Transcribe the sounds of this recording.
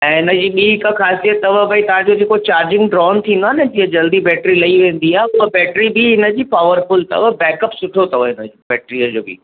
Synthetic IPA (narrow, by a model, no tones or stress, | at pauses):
ɛ̃ːɪnəd͡ʑiːɓiːɪkəxʰaːsijət̪ːɐʋəbʱait̪ɐʋ̤ãɲd͡ʑod͡ʑeːkot͡ɕaːɾd͡ʑɪ̃ŋɡɖɾɔːnt̪ʰĩːnd̪oaːɦɪnɪd͡ʑiːə̃d͡ʑɐld̪ibɛːʈɾilɐiʋẽːn̆d̪iaːɦeʊəbɛːʈɾibɪɦɪnəd͡ʑiːpaːʋəɾfʊlt̪ɐ̰ʋəbɛːkəpsʊʈʰot̪ɐʋəɦɪnəd͡ʑbɛːʈɾiəd͡ʑoːbḭː